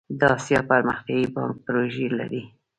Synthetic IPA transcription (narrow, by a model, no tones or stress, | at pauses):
d̪ɑsjɑpəɾməxt̪jɑjibɑ̰ŋk̚pɾoʒela̰ɾi